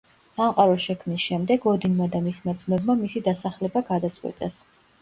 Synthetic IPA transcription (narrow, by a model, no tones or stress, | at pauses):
samqʼaɾɔʃɛkʰmnisʃɛmd̪ɛɡɔd̪inmad̪amismad̪zmɛbmamisid̪asaχlɛbaɡad̪at̪sʼqʼwɛ̰t̪ʼas